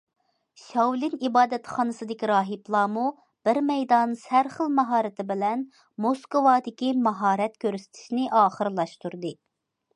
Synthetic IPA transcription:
ʃɑwlˠɪnibɑːd̪ɛt̪χɑnɨsɨd̪ɪkʲiɾɑːɦiplˠɑːmu | b̥ɪɾmɛjd̪ɑnsæɾχəlˠmɑɦɑːɾɪt̪ʰɪbɪlɛn | moskowɑːd̪ɪkʲimɑɦɑːɾɛt̪̚kʲøɾsɪ̥t̪ʰɪ̥ʃnɪʔɑːχəɾlˠɑʃt̪uɾd̪ɨ

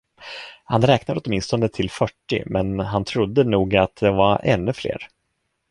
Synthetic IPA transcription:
hanɾɛːknad̪əɔt̪mɪnst̪ɔnd̪ət̪ʰɪlfœʈːɪ̰mɛnɦant̪ʰɾʊd̪ːənuːɡat̪̚d̪ɛvaɾɛ̰nːɵflḛːɾ

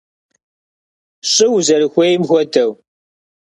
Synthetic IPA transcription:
ɕʼɪwzɐɾɨxʷejmxʷɔtʰɐw

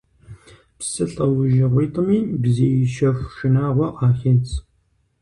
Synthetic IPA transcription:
psɨɬʼɐwʊʒɐʁʷiːt̪ʼəmiːbzeːjɪʃɐxʃɪnaːʁʷɐʔaːxɐt͡sʰ

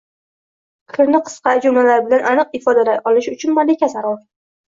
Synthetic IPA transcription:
qʰɨɾnɪqʰɨ̥sqɑd͡ʒʊmlalaɾɪbɪlanʔanɨq̚ɪfɒd̪alaʔɒlɪʃʊt͡ʃʰʊnmalɪkʲasaɾɒɾ

